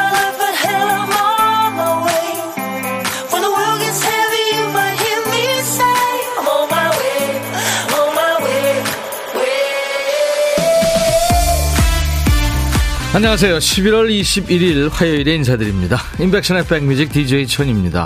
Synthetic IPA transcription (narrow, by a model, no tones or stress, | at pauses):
lʌfəɦɛləmɔŋəweɪ | fə˞ðəwɜ˞lˠɡɛshɛvibʌhɪmiseomaɪwe | omaɪwe | we | aɲʌŋas̬ʰe̞joɕʰibiɾwʌɭiɕʰibiɾiɭɸajʌiɾe̞insʰadɯɾimɲidaimbe̞k̚ɕʰʌnep͈eŋmjud͡ʑik̚tid͡ʑeit͡ɕʰʌɲimɲida̰